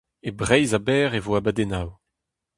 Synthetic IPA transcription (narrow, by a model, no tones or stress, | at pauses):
ebʁɛjzabɛːʁevoabad̪enaw